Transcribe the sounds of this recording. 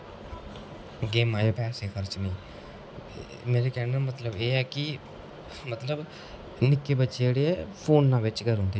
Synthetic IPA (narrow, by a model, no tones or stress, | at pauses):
ɡeːmaːjapɛːseːxʰəɾt͡ʃnĩː | meːɾekɛːnãmət̪ləbeːɛːkɪ | mət̪ləb | nɪkːeːbətːt͡ʃeeːɽeːɛːpʰoːnːãːʋɪt͡ʃkəɾɦõːnd̪eː